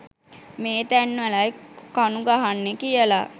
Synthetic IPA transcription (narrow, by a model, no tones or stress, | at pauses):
meːt̪ænʋəlajkanuɡaɦanːekijəla